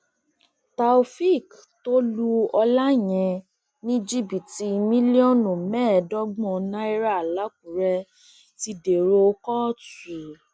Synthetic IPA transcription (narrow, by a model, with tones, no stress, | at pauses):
ta˧u˧fi˦˨k | to˦lu˦ɔ˧la˦˨j̃ɛ̃˧ | nĩ˦d͡ʒi˦bi˨ti˧mĩ˦li˦ɔ˦nũ˨mɛ̃˦˨dɔ˦ɡ͡bɔ̃˧nã˦i˦ɾa˦˨la˨˦k̚u˨ɾɛ˧ | ti˧de˨ɾo˧kɔ˦˨tu˨